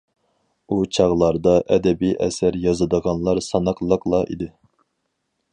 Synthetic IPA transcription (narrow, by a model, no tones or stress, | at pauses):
ut͡ʃʰɑʁlˠɑɾd̪ɑʔɛd̪ɛbijʔɛ̰sæɾjɑzɨd̪əʁɑnlˠɑɾsɑnɑqlˠəqlˠɑʔḭd̪ɪ